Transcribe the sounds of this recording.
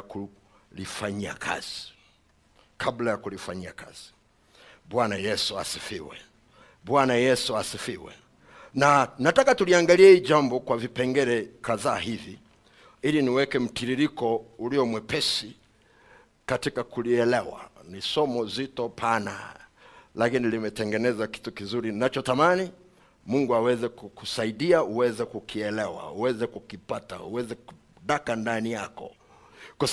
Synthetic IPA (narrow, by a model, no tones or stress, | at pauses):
ku | lifaɲia̰kʰa̰z̥i | kʰablajakulifaɲiakʰa̰z̥i̥ | bwanajɛsuasifiwɛ̰ | ɓwanajɛsuasifiwɛ̰ | nanatakatuliaŋɡaliɛhiːʄambɔkwavipɛŋɡɛɾɛkaðaːɦivi | iliniwɛkɛm̩tiɾiɾikɔuliɔmwɛpɛsi | katikakuliɛlɛwa̰nisɔmɔzitɔpʰana̰ | lakinilimɛtɛŋɡɛnɛzaki̥tukizuɾinat͡ʃɔtamani | muŋɡuawɛzɛkukusaiɗiauwɛzɛkukʰiɛlɛwa̰uwɛzɛkukipata̰ṵwɛzɛku̥ | ɗakandanijakɔ̰ | kwa